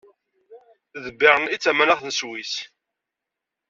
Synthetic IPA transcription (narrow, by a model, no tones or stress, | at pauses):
ðəbːɪɾˤənit͡sːæmænæʁθənəswis